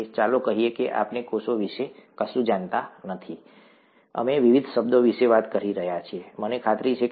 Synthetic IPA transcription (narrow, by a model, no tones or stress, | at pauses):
t͡ʃalokəɦiekeʔa̰pnekosoʋiʃekəsũd͡ʒant̪anət̪ʰi | ə̰meʋiʋid̪ʱʃəb̚d̪oʋiʃeʋat̪kəɾiɾəɦjat͡ʃʰiemənekʰat̪ɾit͡ʃʰek